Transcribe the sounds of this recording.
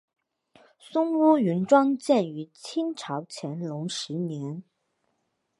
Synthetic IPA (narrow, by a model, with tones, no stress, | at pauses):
sʊ˥ŋwu˥y˧˥nʈ͡ʂwɑ˥ŋt͡ɕjɛ˥˩ny˧˥t͡ɕʰi˥nʈ͡ʂʰɑ˧˥ʊt͡ɕʰjɛ˧˥nlʊ˧˥ŋʂɻ̩˧˥njɛ˧˥n